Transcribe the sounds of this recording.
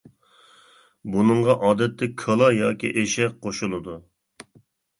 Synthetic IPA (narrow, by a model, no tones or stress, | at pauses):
bunɨɴʁɑʔɑːd̪ɛt̪ʰːɛkʰɑlˠɑjɑːkʲḭʔeʃɛqqʰːoʃulˠɨd̪u